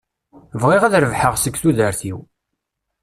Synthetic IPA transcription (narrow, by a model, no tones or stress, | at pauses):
vʁiʁæðɾəvħəʁsəkːθuðəɾθḭw